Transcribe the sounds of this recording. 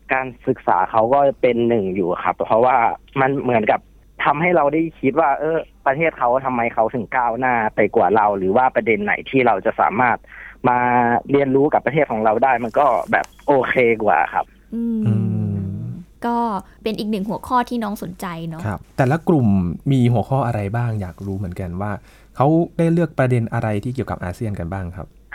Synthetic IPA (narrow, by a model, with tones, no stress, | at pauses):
kaː˧nsɯ˨˩k̚sa̰ː˩˦kʰa˦˥wkɔː˥˩pe˧nːɯ˨˩ŋjuː˨˩xʰa̰˦˥pʰːɔ˦˥waː˥˩ma˧nmɯ˩˦ənka˨˩p̚ | t̪ʰa˧mɦa˥˩jɾa˧wda˥˩jkʰi˦˥t̪̚waː˥˩ʔɤː˧˥˩pɾa˧t̪ʰeː˥˩t̪̚kʰa˦˥w̪ʰa˧mːa˧jkʰa˦˥wt̪ʰɯ˩˦ŋkaː˥˩wnaː˥˩pa˧jkwaː˨˩ɾa˧wɾɯː˩˦waː˥˩pɾa˧de˧nːa̰˩˦jt̪ʰiː˥˩ɾa˧wt͡ɕa˨˩ʔsa̰ː˩˦maː˥˩t̪̚maː˧ɾi˧ənɾuː˦˥ka˨˩pːt̪ʰeː˥˩t̪̚kʰɔː˩˦ŋɾa˧wdaː˥˩jma˧nkɔː˥˩bɛ̰ː˨˩p̚ʔoː˧kʰeː˧kwa̰ː˨˩kʰa̰˦˥p̚ | ʔɯː˧ʔɯː˧ | kɔː˥˩ | pe˧nʔiː˨˩k̚nɯ˨˩ŋɦu˩˦kʰɔː˥˩t̪ʰiː˥˩nɔː˦˥ŋso˨˩˦nt͡ɕa˧jnɔ˦˥kʰa˦˥p̚t̪ɛː˨˩la˦˥kɾu˨˩mːiː˧ɦu˩˦xʰɔː˥˩ʔa˧ɾa˧jbaː˥˩ŋjaː˨˩k̚ɾuː˦˥mɯ˩˦ənka˧nwaː˥˩ | kʰa˦˥wdaː˥˩jlɯ˥˩ək̚pɾa˧de˧nʔa˧ɾa˧jt̪ʰiː˥˩ki˨˩əka˨˩pʔa̰ː˧si˥˩ənka˧nbaː˥˩ŋkʰa̰˦˥p̚